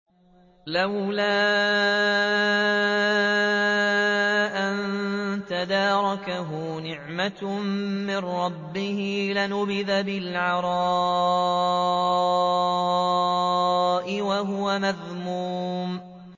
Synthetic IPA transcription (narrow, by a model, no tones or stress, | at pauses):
lawlaː | ʔant̪ad̪ɑːɾˤɑkaɦʊnɪʕma | mɪnɾˤɑbːɪhɪlɪnʊbɪðabɪlʕɑɾˤɑ | ʔɪwaɦʊwamaðmuːm